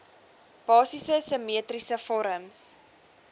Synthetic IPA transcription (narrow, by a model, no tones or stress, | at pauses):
b̥ɑːsisəsəmiətrisəfɔɾəms